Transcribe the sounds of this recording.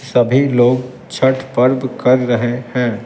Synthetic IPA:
sɐbʱiloːɡ | t͡ʃʰɐʈpɐɾbkɐɾɾɐɦehɛ̃ː

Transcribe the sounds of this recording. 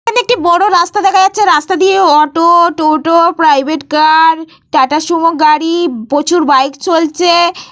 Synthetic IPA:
kʰaneek̚ʈibɔɽoɾast̪ad̪ɛkʰajatːɕʰeɾast̪ad̪ieɔʈoʈoʈopɾajbʱeʈkaɾ | ʈaʈaʃɔmoɡaɽibot͡ɕʰuɾbajkt͡ɕolt͡ɕʰe

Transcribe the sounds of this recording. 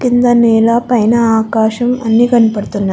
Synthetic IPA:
kint̪ɐneːlɐpɐjnɐaːkaːʃɐmɐnːikɐnːɐpɐɽt̪unː

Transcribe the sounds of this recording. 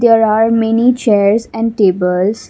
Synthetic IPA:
d̪eːɾaːɾmɛnit͡ʃeːɾsɛ̃ɳɖʈeːbəls

